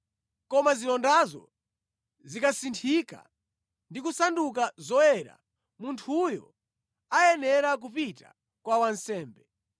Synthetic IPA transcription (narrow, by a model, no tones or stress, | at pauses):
kɔmazilɔndazɔ̰ | zikasintʰika̰ | ndikusandukazɔjɛɾa̰ | muntʰujɔ̰ | ajɛnɛɾak̬upita̰ | kwawansɛːmbɛ